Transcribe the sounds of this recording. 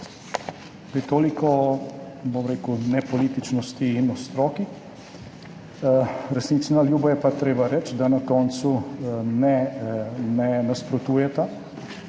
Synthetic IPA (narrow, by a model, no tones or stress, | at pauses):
pit̪oːliko | bomɾeːkunɛpolit̪it͡ʃnost̪inost̪ɾoːki | ɾesnit̪snaljuːbajɛpat̪ɾeːbaɾɛt͡ʃd̪anakont̪sunɛ | nɛnaspɾot̪uːjɛt̪a